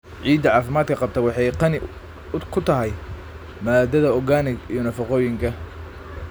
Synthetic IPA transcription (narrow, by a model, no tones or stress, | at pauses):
ʕiːd̪ɐʕɑːfɪmaːd̪kʰɐqɑb̚t̪ʰɐwɑħɑjqɑnɪ | kʰʊt̪ʰɐɦɛj | maːd̪ɐðɐɔɣaːnɪɡijɔnɐfɑqɔːjɪŋkʰɐ